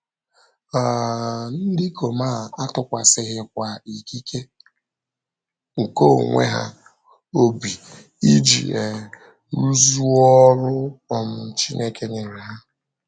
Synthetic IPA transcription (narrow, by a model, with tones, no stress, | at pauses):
a˨n̩˦dɪ˦kʰo˨maː˦˨a˦tʊ˨kʷa˨sɪ˦ɦɪ˦k̚ʷa˨i˨ki˦ke˦ | ŋ̩˨ko˦ŋʷḛ˦ɦa̰˦ | o˦bi˨ | i˦d͡ʒḭ˨e˨ | ɾu˦zu˦ɔ˦ɾʊ˦ɔ˨m̩˨n̩˨t͡ʃi˦nʔe˦ke˦ɲe˨ɾɪ˨ɦa˦